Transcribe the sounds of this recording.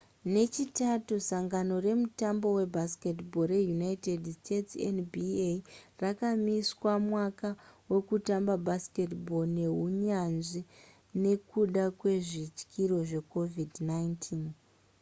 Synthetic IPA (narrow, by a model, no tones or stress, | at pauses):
ne̞t͡ʃitatusaŋɡano̞re̞mutambo̞we̞bʱaske̞tbo̞ɾe̞junaite̞dstʰe̞tsḛnbierakamiswamwakawe̞kutambabʱaske̞tbʱo̞ne̞ɦuɲanʐi | ne̞kuɗakwe̞ʐit͡ʃkʰiɾo̞ʐe̞ko̞vidnaintʰin